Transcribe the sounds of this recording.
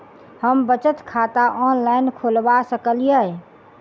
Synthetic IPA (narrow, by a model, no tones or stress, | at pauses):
həmbət͡ʃət̪kʰat̪aʔɔnlaɪnkʰolbasəkəlijə